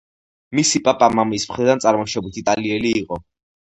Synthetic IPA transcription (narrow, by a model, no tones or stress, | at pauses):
misipʼapʼamamismχɾid̪ant̪sʼaɾmɔʃɛbit̪ʰit̪ʼaliɛliːqʼɔ